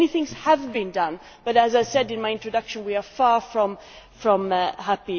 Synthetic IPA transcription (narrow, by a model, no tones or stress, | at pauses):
niθɪ̃ŋz̥həvbĩndʌ̃n | b̥ʌɾɨzaɪsɛdɨ̃nmaɪɪ̃ntɹ̥ɨdʌkʃə̃nwiəfɑɹfɹʌ̃m | fɹʌ̃mɦæpi